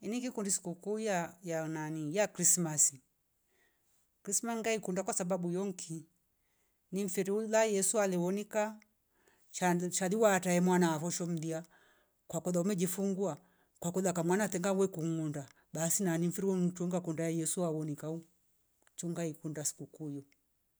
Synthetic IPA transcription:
iniɡikundisi̥kukujajananijakɾismasi | kɾismasŋɡaikundakwasababujɔŋkʰi | niɱ̩fiɾiulajɛsualɛwɔnika | ʃaʃaliwataɛmwanaafɔʃɔm̩dia | kwakɔðaumɛd͡ʒifuŋɡua | kwakɔðakamwanatɛŋɡawɛkuŋunda | ɓasinaniɱ̩fiɾiwɔtuŋɡakundaɛjɛsuawɔnikau | t͡ʃɔŋɡaikundasi̥kukujɔ

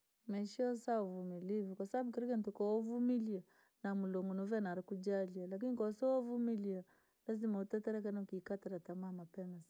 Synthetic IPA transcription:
mɛʃiɔsaɔvumilivukwasabaɓukɛɾikan̩tɔkɔɔvumilia | namulɔŋɡɔnɔvɛnaɾakud͡ʒalialak̬inikɔsɔɔvumilia | lazimautɛtɛɾɛk̬anaukiːkataɾatamamapɛmas

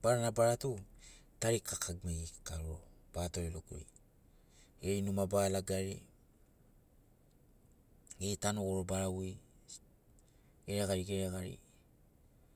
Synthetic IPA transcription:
b̥aɾanabaɾatutaɾikʰakʰaɡmejkaɾɾob̥atoɾeloko̰j | eɾinumabalaɡaɾḛ | ɡetanoɡoɾobaɾawi | ɡeɾeɡaɾiɡeɾeɡaɾḭ

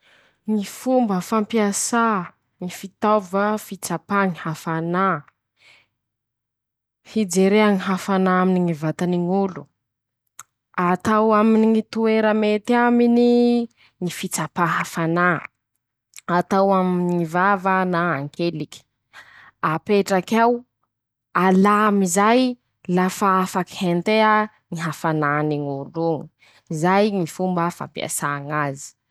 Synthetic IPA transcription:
ŋifumbəfampiasa | ŋifit̪avəfit͡sapaŋihafana | hid͡zeɾeaŋiɦafanaaminiŋivat̪aniŋulu̥ | at̪awaminiŋit̪ueɾəmet̪iamini | ŋifit͡sapaɦafana | at̪awaminŋivavənaaŋkeliki̥ | apeʈ͡ʂakaw | alamizaj | lafaafaki̥hent̪ea | ŋiɦafananiŋuluŋi | izajŋifumbəfa̰pia̰saŋazi̥

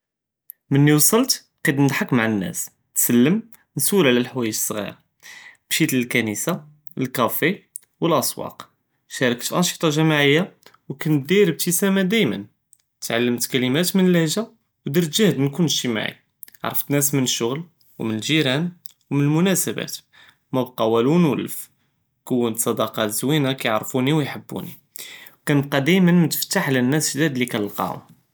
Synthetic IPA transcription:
mənːiwsˤɑlt̪ | qid̪mnəd̪ħakmaʕanːæ̰s | t̪səlːəm | nsuɾaʕlælħwæjəsˤːɣḭɾɑ̰ | b̥ʃit̪ləlkænisa | əlkæfe | wəlʔɑsˤwɑ̰q | ʃæɾˤɑkət̪ʔɑnʃi̥t̪ˤɑʒæmaʕəjːawkæn̚d̪iɾəb̚t̪isæmæd̪æjmə̰n | t̪ʕalːəmt̪kælimæt̪mənələhʒa | wd̪iɾt̪ʒæhd̪mnkʊnːʃima̰ʕḭ | ʕɾˤəft̪næsmənəʃːʊɣl | wmənəlʒiɾæn | wmənəlmʊnæsəbæ̰t̪ | mæbqɑwælunwələf | kəwːənt̪sˤɑd̪ɑqɑt̪zwinakæjʕɾˤfuniwjħəbːṵnḭ | wkænqɑd̪æjmənmt̪ə̥ft̪aħlənːæsʒd̪æd̪likænlqɑ̰hʊ̰m

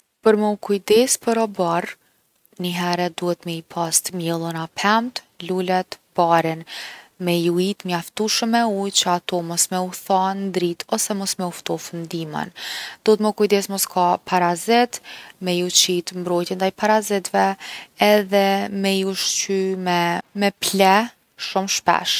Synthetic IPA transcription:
pəɾmɔkujd̪ɛspəɾɔbar | niɦɛɾɛd̪uhɛt̪mɛipʰast̪mjɛlˠənapʰɛmt̪ | lulɛt̪b̥aɾinmɛjuit̪mjaft̪uʃəmɛujt͡ɕəat̪ɔmɔsmɛuθand̪ɾit̪ʰɔsɛmɔsmɛuft̪ɔfund̪imə̰nd̪̥ɔɛt̪mɛkujd̪ɛsmɔskʰapʰaɾazɪt̪mɛjut͡ɕit̪mbɾɔjt̪jɛnd̪ajpaɾazɪt̪vɛɛðɛmɛjuʃt͡ɕymɛmɛplɛ | ʃumʃpɛ̰ʃ

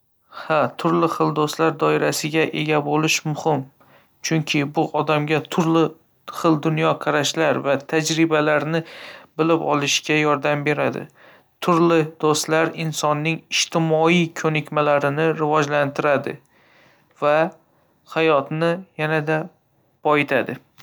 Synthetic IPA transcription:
hat̪ʰʊɾlɪχɨlˠd̪ost̪laɾd̪ɒɪɾasɪɡʲaʔe̞ɡʲabolɪʃmʊhɪm | t͡ʃʰʊŋkʲʰɪbʊʔɒd̪amɡʲat̪ʰʊɾlɪ | χɨlˠd̪ʊnjɒqʰɑɾaʃlaɾvat̪ʰad͡ʒɾɪbalaɾnɪbɪlɪpɒ̰lˠɪʃɡʲajɒɾd̪ambe̞ɾad̪ɪ̰ | t̪ʰʊɾlɪd̪ost̪laɾɪnsɒnːɪŋɪʃt̪ʰɪmɒikʲʰɵnɪkʲmalaɾɪnɪɾɪvɒd͡ʒlant̪ʰɪɾad̪ɪ̰ | va | hajɒt̪nɪjanad̪a | b̥ɒɪt̪ʰad̪ɪ

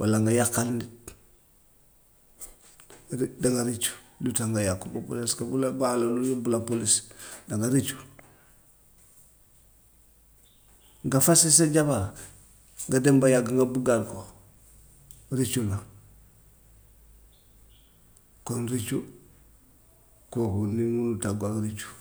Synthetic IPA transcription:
walaŋɡajakːalnit | daŋɡaɾit͡ʃu̥ | lutaŋɡajakːoɡopo̰liskabulabalolunubulapolisdaŋɡaɾit͡ʃu̥ | ŋɡafasisaɟaba | ŋɡadembajaɡaŋɡabuɡaɾko | ɾit͡ʃula | konɾit͡ʃu | kokunimunutaɡaɡɾit͡ʃu̥

